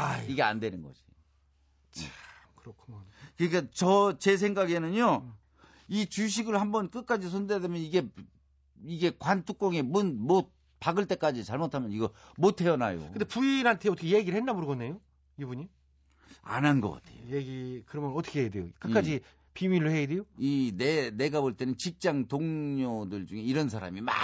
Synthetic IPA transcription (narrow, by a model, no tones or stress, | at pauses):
iɡe̞a̰ndwe̞nɯnɡʌ̰ɕi̥ | t͡ɕjea | kɯɾʌkʰumonkɯɲik͈at͡ɕʌt͡ɕe̞s̬ʰeŋɡaɡenɯɲo | it͡ɕuɕ̬ʰiɡɯɭhambʌnk͈ɯk̚k͈ad͡ʑis̬ʰondeademjʌniɡe̞ | iɡe̞kwantʰuk͈̚oŋe̞munmot̚ | paɡɯɭt͈e̞k͈ad͡ʑit͡ɕaɭmotʰamjʌniɡʌ | motʰe̞ʌna̰jo̰kɯnd̪epuiɾhantʰeʌtʰkʰejeɡiɾɭhenːaboɾɡʌnːejo | ibuɲi | a̰nanɡʌ̰k͈a̰tʰe̞̰jojeɡikɯɾʌmjʌnʌtʰʌkʰeedejo̰kɯk͈ad͡ʑi | pimiɾoheidejoinene̞ɡapoɭt͈e̞nɯnt͡ɕik̚t͡ɕ͈aŋtoŋɲodɯɭd͡ʑuŋe̞iɾʌns̬ʰaɾa̰mima̰